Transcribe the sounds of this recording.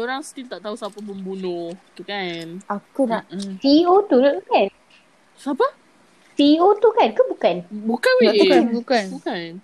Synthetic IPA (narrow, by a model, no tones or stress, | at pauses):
soɾaŋst̪ilt̪aʔt̪aɦusapapəmbunʊht̪ukanʔakunaʔsiot̪uɾut̪ukan | sapa | siot̪ukankəbukanbukanwat̪uknbukannbukan